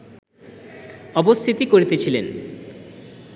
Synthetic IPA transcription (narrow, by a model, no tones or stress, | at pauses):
ɔbost̪ʰit̪ikoɾit̪et͡ɕʰilen